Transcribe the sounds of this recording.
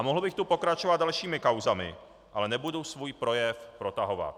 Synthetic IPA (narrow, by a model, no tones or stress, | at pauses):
amoɦl̩bɪxt̪upo̞kɾat͡ʃovatd̪dalʃiːmɪkawzamɪ̰ | ʔalɛnɛbudowsvuːjpɾo̞jɛfpɾo̞t̪aɦova̰t̪̚